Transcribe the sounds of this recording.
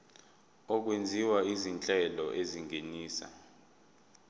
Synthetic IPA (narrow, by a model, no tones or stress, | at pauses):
ɔk̬wend͡zʱiwaizint͡ɬʼɛlɔʔeziŋʱeniːsa̰